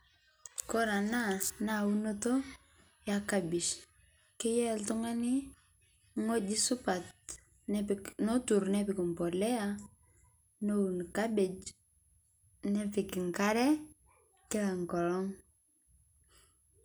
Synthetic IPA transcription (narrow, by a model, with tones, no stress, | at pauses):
kɔ˦ɾa˨na˦sna˦˨u˦no˦to˦ | jaka˦bi˨ʃ | kɪ˦jɛ˦ltu˦ŋa˦nɪ˦ | ŋo˦d͡ʒɪ˦sʊ˦pa˨t̚ | no˦tu˨ɾnɛpɪ˨kɔ˨mpɔ˨lɛ˦a˦ | no˦u˨nka˦be˨d͡ʒ | nɛ˦pɪ˨kɪ˨ŋka˦ɾɛ˦ | kɪ˦la˨ŋkɔ˨lŋ